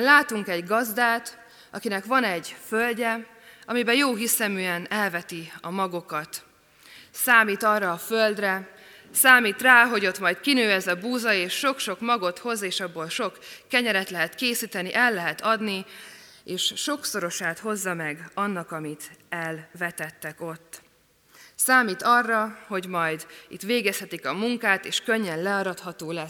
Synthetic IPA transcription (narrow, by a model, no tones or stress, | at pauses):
laːt̪uŋkɛɟɡɒzd̪aːt̪ | ɒkinɛkʋɒnɛɟfølɟɛ | ɒmibɛjoːɦisɛmyːɛnɛlvɛt̪iɒmɒɡokɒt̪ | saːmiːt̪ɒrːɒːføld̪rɛ | saːmiːt̪raːɦo̞ɟo̞t̪mɒjt̪kinøːɛzɛbuːzɒeːʃːo̞kʃo̞kmɒɡo̞t̪ho̞zeːʃɒbːolʃo̞kːɛɲɛɾɛt̪lɛɦɛt̪keːsiːt̪ɛniʔɛlːɛɦɛt̪ɒd̪ni | eːʃʃo̞kso̞ɾo̞ʃaːt̪ho̞zːɒmɛɡɒnːɒkɒmit̪ɛlvɛt̪ɛt̪ːɛko̞t̪ː | saːmiːt̪ɒrːɒho̞ɟmɒjd̪ḭt̪ʋeːɡɛshɛt̪ikɒmuŋkaːt̪eːʃkø̞ɲːɛnlɛɒɾɒt̪hɒt̪oːlɛs